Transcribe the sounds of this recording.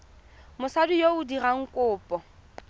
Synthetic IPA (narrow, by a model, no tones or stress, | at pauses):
mʊsadʊjoʊdiraŋ̩kʼʊːpʼɔ